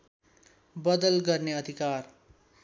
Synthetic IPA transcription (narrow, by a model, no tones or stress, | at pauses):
bʌd̪ʌlɡʌrneʌd̪ʱikar